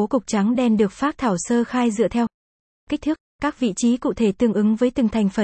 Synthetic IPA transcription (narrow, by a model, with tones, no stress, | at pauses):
o˨˦kʊ˨˩wk͡p̚t͡ɕa˨˦ŋɗɛ˧˩mɗɨ˨˩ək̚faː˦˥t̪ʰaː˧˩wsəː˧xaː˧jzɨ̰˧˨ət̪ʰɛ˧w | ka˦˥k̚t̪ʰɨ˦˥əkkaː˦˥k̚vḭ˧˨t͡ɕi˨˦kṵ˧˨t̪ʰe˧˩t̪ɨ˧˩əŋʔɨ˨˦ŋvəː˨˦jt̪ɨ˨˩ŋt̪ʰa˨˩jŋ̟fə˨˩